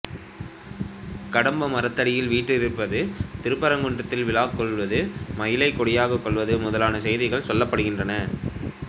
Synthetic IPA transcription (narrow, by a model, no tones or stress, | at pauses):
kɐɽɐmbɐmɐɾɐt̪ːɐɽɪjɪlʋiːʈːɯɪɾɯpːɐðɯt̪ɪɾɯpːɐɾɐŋɡɔɳɖɐt̪ːɪlʋɪlaːkkːɔɭʋɐðɯmɐjɪlɐɪkːɔɽɪjaːɣɐkːɔɭʋɐðɯmʊðɐlaːnɐsɛjðɪɣɐɭsɔlːɐpːɐɽɯɣɪndrɐnɐ